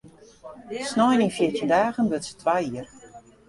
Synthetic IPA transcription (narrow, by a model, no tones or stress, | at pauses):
snɔjninfjitindaːɣənbøtsə̥tʰʋajiər